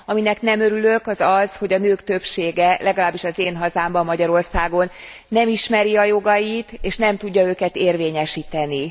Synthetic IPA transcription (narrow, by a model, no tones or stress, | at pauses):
ɒminɛknɛmø̞ɾylø̞kɒzɒz̥ho̞ɟɒnøːkt̪ø̞pʃeːɡɛlʔɛɡɒlaːbːiʃɒzeːnɦɒzaːmbɒmːɒɟɒɾo̞rsaːɡo̞nː | ɛmiʃmɛɾiɒjo̞ɡɒjit̪eːʃnɛmt̪uɟːɒøːkɛt̪eːrveːɲɛʃiːt̪ɛni